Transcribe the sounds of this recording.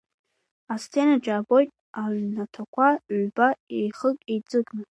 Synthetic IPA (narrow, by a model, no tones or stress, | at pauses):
ast͡sʰe̞nad͡ʒaːbo̞jtʼ | aɥnatʰakʷʰabaejχəkʼejd͡zɨkʼnɨ